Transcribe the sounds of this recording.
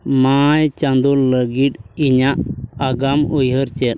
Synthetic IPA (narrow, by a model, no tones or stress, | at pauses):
majt͡ʃand̪ulləɡiʈiɲaʔaɡamɔjɦəɾt͡ʃɛt̪